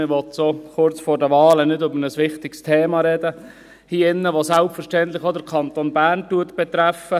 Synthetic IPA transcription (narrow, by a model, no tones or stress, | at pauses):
ɪʋɔt̪soχʊɾt͡sfɔːɾdəʋɑːlənɪdʏbəɾnəsʋɪχtɪkstʰeːmɑɾɛdə | hiːɪnːəʋosælpfəɾʃtɛntlɪχod̪əkʰɑnt̪onbæːrntuətb̥ɛt̪ɾæfə